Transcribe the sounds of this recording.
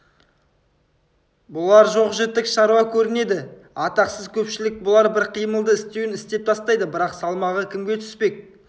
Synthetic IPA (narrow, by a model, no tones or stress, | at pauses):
bʊlˠɑɾʒo̞qʒet̪ːɪkʃɑɾuɑkʲʰɵɾɪne̞d̪ɪ | ɑt̪ɑqsəzkʲʰɵpʃɪlɪk̚bʊlˠɑɾbɪɾqʰijməlˠd̪əɪst̪ewɪnɪst̪e̞p̚t̪ʰɑst̪ɑjd̪əbɪɾɑqsɑlˠmɑʁəkʲʰɪmɡʲe̞t̪ʰʏ̥spe̞k̚